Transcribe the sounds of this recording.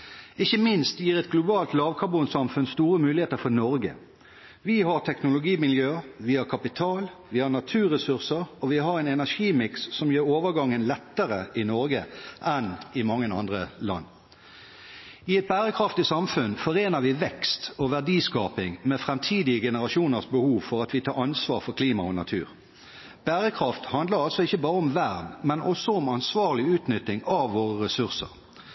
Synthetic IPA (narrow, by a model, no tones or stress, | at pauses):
ɪçːəmɪnst̪jiːʁɛt̪ɡlʊbɑːlt̪lɑːʋkʰɑʁbuːnsɑmfʉnst̪uːʁəmʉːlɪheːt̪əɾfɔnɔɾɡə̰ | ʋɪɦɑʁt̪ʰɛknʊlʊɡiːmɪljøːʋɪhɑʁkʰɑpɪt̪ʰɑːl | ʋɪhɑʁnɑt̪ʰʉːɾɛsʉʁsəʁɔʋɪɦɑʁɛːnɛnæʂiːmɪksːɔmjøːɾoːʋəɡɑŋːənlɛt̪ːəʁəʔɪnɔɾɡəʔɛnɪmɑŋːənɑ̰nd̪ʁəlɑ̰nː | ɪɛt̪̚bæːʁəkʰʁɑft̪ɪsɑmfʉnfɔʁeːnəʋɪʋɛkst̪oʋæʁɖiːskɑːpɪŋmɛfʁɛmt̪ʰiːd̪ɪəɡɛnəʁɑʃuːnəʁsbəhuːʋfɔɾɑt̪ʋɪt̪ʰɑːɾɑnsʋɑːʁfɔkʰliːmɑɔnɑt̪ʰʉ̰ːʁ | b̥æːʁəkʰʁɑft̪hɑnd̪ləɾɑlsɔɪçːəbɑːɾəɔmʋæʁd̪mɛnʔɔsɔʊmɑnsʋɑːʁlɪʉːt̪nʏt̪ːɪŋɑʋːoːʁəʁɛsʉʁsə̰ʁ